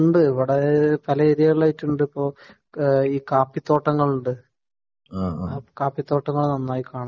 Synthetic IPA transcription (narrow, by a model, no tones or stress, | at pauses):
uɳɖɨiʋiɽepɐlɐeɾijɐɭːɐjitːuɳɖɨipːo̞ː | iːkaːpːit̪ːo̞ːʈːɐŋːɐɭuɳɖɨ | kaːpit̪ːoːʈːɐŋːɐɭnɐnːaːjikaːɳɐ